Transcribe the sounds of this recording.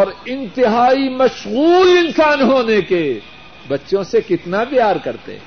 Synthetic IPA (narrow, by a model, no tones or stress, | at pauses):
ɔːɾɪ̃nt̪ɪɦaːimɐʃɣuːlɪ̃nsaːnɦoːneke | bɐtːʃõsekɪt̪napjaːɾkɐɾt̪ḛ